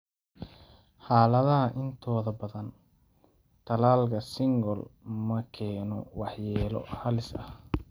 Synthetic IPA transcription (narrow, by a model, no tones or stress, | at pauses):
ħɑːlɐðɐɦɐʔɪnt̪ʰɔːðɐbɐðɐn | t̪ʰɐlaːlkʰɐsɪŋɡɔlmɐkʰɛːnɔ̰wɑħjɛːlɔ̰hɐlɪsɐ̰h